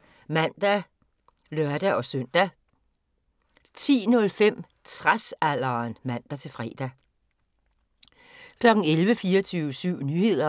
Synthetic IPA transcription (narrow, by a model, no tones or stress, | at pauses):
mæn̰d̥æ | lɶɐd̥æʔɒ̽sœn̰d̥æ | t͡sʰḭːnɔ̽lfem̰ | t͡sʰʁasæl̰ɐnmæn̰d̥æt͡sʰe̝lfʁɛ̰ːd̥æ | kʰlɒ̽ɡ̥n̩elʋəfiːɒt͡sʰyːʊsyʊ̰nyːhe̝ð̞̰ˠɐ